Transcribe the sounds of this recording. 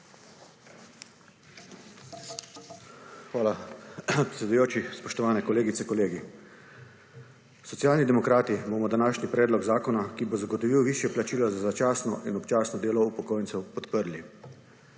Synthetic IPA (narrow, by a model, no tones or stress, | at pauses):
xʋaːlapɾɛt̪sɛd̪ujoːt͡ʃispɔʃt̪ɔʋaːnɛkɔleːɡit̪sɛkɔleːɡi | sɔt̪sjaːlnid̪ɛmɔkɾaːt̪iboːmɔd̪anaːʃnipɾɛːd̪lɔɡzaːkɔnakibozaɡɔt̪ɔʋiwʋiːʃjɛplat͡ʃiːlɔzazat͡ʃaːsnɔʔinɔpt͡ʃaːsnɔd̪eːlɔupɔkoːjntsɛwpɔt̪pəɾli